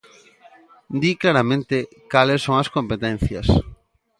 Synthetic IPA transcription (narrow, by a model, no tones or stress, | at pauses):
d̪iklaɾamẽnt̪ɪ | kalesːõŋɐskõmpet̪ɛn̟θjɐs